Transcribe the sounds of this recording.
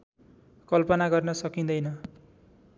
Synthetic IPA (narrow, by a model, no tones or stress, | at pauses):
kʌlpʌnaɡʌrnʌsʌkind̪ʌjnʌ